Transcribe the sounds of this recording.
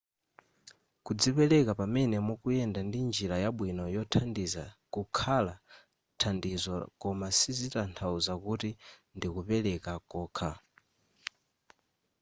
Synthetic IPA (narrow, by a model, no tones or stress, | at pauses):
kud͡zipɛlɛkapamɛnɛmɔkujɛndandind͡ʒiɾajaɓwinɔjɔtʰandizakukʰala | tʰandizɔkɔmasizitantʰauzakutindikupɛlɛkakɔːkʰa